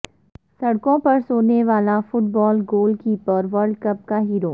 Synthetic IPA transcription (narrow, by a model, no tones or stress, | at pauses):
sɐɽkõpɐɾsoːneʋaːlafʊʈbɔːlɡoːlkipɔːɾʋɐɾɖkɐp̚kaɦiːɾoː